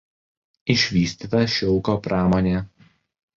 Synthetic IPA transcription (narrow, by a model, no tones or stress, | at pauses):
ɪʃʲʋʲiːsʲt̪ʲiːt̪ɐʃʲʊlˠkoːpɾɑːmɔːnʲeː